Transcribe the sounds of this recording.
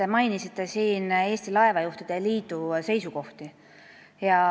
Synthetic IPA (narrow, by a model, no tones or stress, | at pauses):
emɑjnisit̪ˑːe̞siːne̞ːsʲt̪ilɑe̞vɑjuht̪id̪̥eliːd̪use̞jsuko̞ht̪i | jɑ